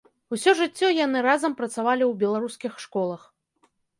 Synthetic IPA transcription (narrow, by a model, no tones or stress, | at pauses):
usʲɔʐɨt͡sʲːɔjan̪ɨɾazɐmpɾɐt̪savalʲiwbʲɛlˠaɾuskʲixʂkɔlˠɐx